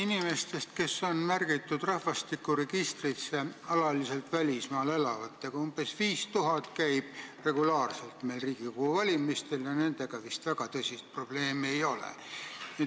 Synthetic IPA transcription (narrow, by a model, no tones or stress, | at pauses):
inime̞st̪e̞st̪ke̞sːo̞nmærɡ̥it̪ːˑud̪̥rɑhvɑst̪ikːˑuɾe̞ɡ̥ist̪rise̞ɑlɑlise̞lt̪vælʲismɑːle̞lɑvɑt̪ːeɡ̥ɑumb̥e̞sviːst̪uɦɑt̪kæjb̥̚re̞ɡ̥ulɑːrse̞lt̪me̞ːlriːɡ̥ikohuvɑlʲimist̪e̞ljɑne̞nd̪̥e̞ɡ̥ɑvist̪væɡ̥ɑt̪ɤsʲist̪̚pro̞b̥le̞ːmie̞jo̞lḛnie